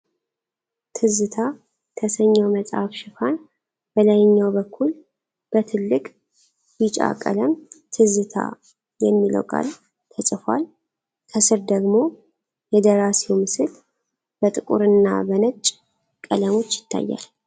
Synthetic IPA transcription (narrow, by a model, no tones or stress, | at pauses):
t̪ʰɨzɨt̪ʰa | t̪ʰəsəɲːawməsʼhafʃɪfan | b̥əlajɪɲːawbəkʰːul | b̥ət̪ʰɨlːɨkʼ | jɪt͡ʃʼa̰kʼə̰ləmt̪ʰɨzɨt̪ʰa̰ | jɛmːilə̰wkʼa̰l | t̪ʰəsʼɨfʷa̰l | t̪ʰəsɨɾd̪əɡmo̞ | jɛd̪əɾasiwmɨsɨl | b̥ət̪ʼɨkʼuɾɨnːa̰bənət͡ʃʼ | kʼələmo̞t͡ʃːjɪt̪ʰːa̰jːa̰l